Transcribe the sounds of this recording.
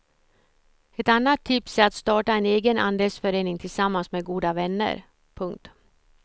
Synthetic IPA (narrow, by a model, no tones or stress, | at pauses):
ɛt̪anːat̪ʰːɪpsɛat̪st̪ɑːʈaɛneːɡəna̰nd̪ɛsfœɾeːnɪŋt̪ʰɪlsamːansmeːɡuːd̪avɛnːə̰ɾ | pʰɵŋk̚t̪